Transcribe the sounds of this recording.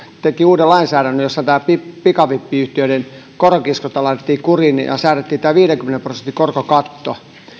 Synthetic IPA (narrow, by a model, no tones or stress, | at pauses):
t̪ekiuːdelɑinsæːɾænːøjjosːɑt̪æːpippikɑʋipːiyht̪iøiɾen | korokiskot̪ɑlɑt̪et̪ːiːkurinjɑ̰sæːret̪ːiːt̪æːʋiːɾeŋkymenemprosent̪ːikorkokɑt̪ːo